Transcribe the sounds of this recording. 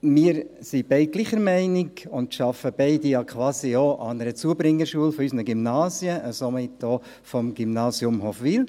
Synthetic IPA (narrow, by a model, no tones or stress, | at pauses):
miːəɾsib̥ɛɪɡliχəɾmɛɪnɪɡʊntʃɑfəb̥ɛɪdijɑkʰʋɑːsioːʔɑnəɾət͡suəbɾɪŋːəɾʃuəlfɔysnəɡymnɑːsjəʔəsomɪtdoː | fɔmɡ̥ymnɑːsjʊmhofʋiːl